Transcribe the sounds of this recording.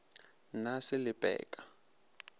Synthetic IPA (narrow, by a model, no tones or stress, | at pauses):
nasɪlɪpʼɛ̰ːkʼḁ